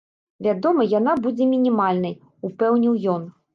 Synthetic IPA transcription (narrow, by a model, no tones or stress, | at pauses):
vʲad̪ɔmɐjanabud͡zʲɛmʲinʲimalʲnɐj | upɛwnʲiwjɔn